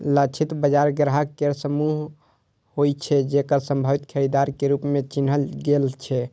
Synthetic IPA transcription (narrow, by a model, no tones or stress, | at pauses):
lət͡ʃʰit̪bəd͡ʒaɾɡɾɦakeɾsəmuɦ | hojt͡ʃʰɛd͡ʒekəɾsəmbʱəʋit̪kʰəɾid̪aɾkeɾupmet͡ʃinɦəlɡelt͡ʃʰɛ